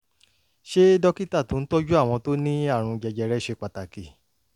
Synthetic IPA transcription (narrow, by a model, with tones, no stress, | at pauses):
ʃe˦dɔ˦ki˦ta˦˨tu˨˦n̩˦tɔ˦d͡ʒu˦a˦˨w̃ɔ̃˧to˦nĩ˦a˦˨ɾ̃ũ˧d͡ʒɛ˧d͡ʒɛ˧ɾɛ˦ʃe˧k͡pa˨ta˨ki˨